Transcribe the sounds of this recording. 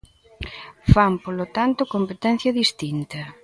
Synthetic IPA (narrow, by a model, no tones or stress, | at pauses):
fampolot̪ant̪ʊkompet̪ɛn̟θjɐðist̪int̪ɐ